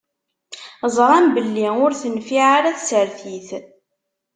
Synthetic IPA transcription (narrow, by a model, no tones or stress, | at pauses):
zˤɾˤæmbəlːiʊɾθənfiʕaɾæθsəɾθiθ